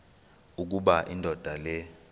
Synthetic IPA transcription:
uk̬uɓaʔindʱɔd̥ʱalɛ

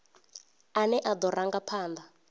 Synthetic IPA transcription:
anɛʔad̪ɔɾaŋɡapʰaːnd̪a

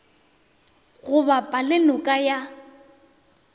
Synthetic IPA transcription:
ɣʊbapʼalɪnʊkʼaja

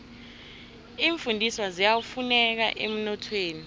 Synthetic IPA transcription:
iːɱfundʱiswazijawufunɛk̬a̰ʔem̩nɔtʰweːni

